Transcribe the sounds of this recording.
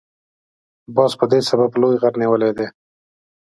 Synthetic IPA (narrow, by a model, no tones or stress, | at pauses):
bɑspəd̪esabablojɣaɾniwəled̪e